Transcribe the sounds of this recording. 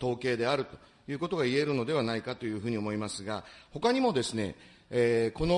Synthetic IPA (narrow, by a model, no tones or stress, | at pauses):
t̪o̞ːke̞ːd̪e̞aɾɯ̟t̪o̞̥ | jɯ̟ːko̞t̪o̞ɡaie̞ɾɯ̟no̞d̪e̞β̞anaikat̪o̞jɯ̟ːɸɯ̟ːɲ̟io̞mo̞imasɨɡaho̞kaɲ̟imo̞d̪e̞sɨne̞̰ː | ko̞no